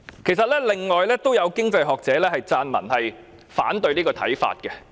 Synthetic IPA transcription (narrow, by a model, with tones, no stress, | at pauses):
kʰe˨˩jsɐ˨t̚lɛː˥lɪ˨˩ŋŋɔː˨jlɛː˥t̪o˥wjɐ˨˧wkɪ˥ŋt͡sɐ˧jɦɔː˨k̚t͡sɛː˨˥lɛː˥hɐ˨jt͡saː˧nmɐ̰˨˩nhɐ˨j | faː˨˥nt̪ɵ˧ɥniː˥kɔː˧t̪ʰɐ̰˨˥jfa̰ː˧t̚kɛ˧